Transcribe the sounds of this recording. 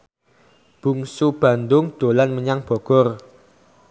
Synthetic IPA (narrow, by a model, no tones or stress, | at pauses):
b̥ṳŋsub̥ä̤nd̪ʊŋd̪̥o̤lanməɲaŋb̥ɔ̤ɡ̥ɔ̤r